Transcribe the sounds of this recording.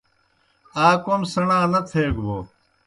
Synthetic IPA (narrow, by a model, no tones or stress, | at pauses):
aːkomsɐɳãːnɐt̪ʰeːɡboː